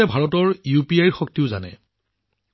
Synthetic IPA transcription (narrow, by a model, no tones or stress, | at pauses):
ɛbʱaɹɔtɔɹjupiajɹxɔk̚tiʊza̰nɛ̰